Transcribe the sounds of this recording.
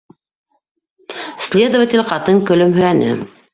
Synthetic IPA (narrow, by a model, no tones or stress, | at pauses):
sʲlʲed̪ovətʲɪlʲqɑt̪ɤŋkɵ̆lɵmɦɵ̆j̪ænɘ̰